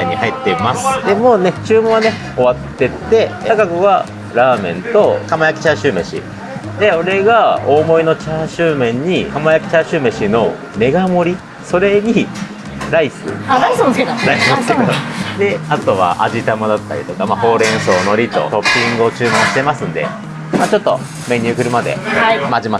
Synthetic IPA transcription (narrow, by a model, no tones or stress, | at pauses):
ɲ̟ːihait̪ːe̞masɨ̥d̪e̞mo̞ne̞t͡ɕɨːmõane̞ | o̞βat̪ːe̞t̪ːe̞ɡaɡɯ̟ɡa | ɾaːmẽ̞̰nt̪o̞kamajakʲi̥t͡ɕaɕɨːmẽ̞ɕḭ | d̪e̞o̞ɾe̞ɡao̞ːmo̞ino̞t͡ɕaɕɨːmẽ̞ɲ̟ːikamajakʲi̥t͡ɕaɕɨːmẽ̞ɕino̞ | me̞ɡamo̞ɾʲi | so̞ɾe̞ɲ̟i | ɾaisɨ̰ɾaisnsked̪oɾaisɨnsked̪od̪e̞at̪o̞βa̰ʔa̰ʑit̪amad̪at̪ːaɾʲḭt̪o̞kamaho̞ːɾẽ̞ɰ̃so̞ːno̞ɾʲit̪o̞̰t̪o̞pʲːĩŋɡɯ̟o̞t͡ɕɨːmãɰ̃ɕi̥t̪e̞masɨ̃nd̪e̞̰ | maːt͡ɕo̞t̪ːo̞̰ | mẽ̞ɲ̟ʲːɨ̟ːkɯ̟ɾɯ̟mad̪e̞̰amad͡ʑima